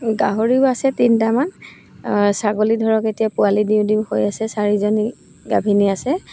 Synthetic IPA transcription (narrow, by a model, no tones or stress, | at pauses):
ɡaɦoɹiʊasɛtintaman | saɡolidʱɔɹɔketijapʊalidiʊ̃diʊhojasɛsaɹizoni | ɡa̰bʱiniasɛ